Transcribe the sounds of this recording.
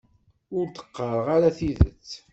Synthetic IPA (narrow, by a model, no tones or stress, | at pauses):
ʊɾt̪ə̥qːəɾˤʁaɾaθiðə̰t͡sː